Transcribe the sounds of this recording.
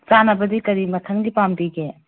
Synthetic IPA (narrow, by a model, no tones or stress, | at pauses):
t͡ʃanɐbɐdikɐɾimɐtʰɐŋɡipamdiɡe